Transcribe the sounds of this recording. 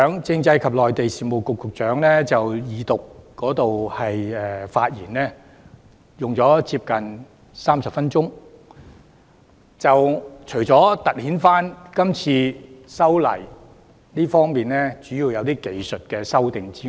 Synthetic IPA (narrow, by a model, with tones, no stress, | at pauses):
œː˨˥ŋt͡sɪ˧ŋt͡sɐ˧jkʰɐ˨p̚lɔː˨jt̪e˨jsiː˨mo˨˩wkʊ˨kːʊ˨k̚t͡ʃœː˨˥ŋlɛː˥t͡sɐ˨wjiː˨˧t̪ʊ˨kːɔː˨˥t̪o˨whɐ˨jɛː˨fa̰ː˧t̚jḭː˨˩nlɛ˥ | jʊ˨ŋt͡sɔː˨˥t͡siː˧˥p̚kɐ˨n | saː˥msɐ˨p̚fɐ˥nt͡ʃʊ˥ŋ | t͡sɐ˨wt͡ʃʰɵ˨˩jt͡sɔː˨˥t̪ɐ˨˩t̚hiː˨˥nfaː˥nkɐ˥mt͡sʰiː˧sɐ˥wlɐ̰˨˩j | liː˥fɔː˥ŋmiː˨nlɛː˥t͡ʃyː˨˥jiː˨˧wjɐ˨˧wt̪iː˥ke˨˧jsɵ˨t̚kɛː˧sɐ˥wt̪ɪ˨ŋt͡siː˥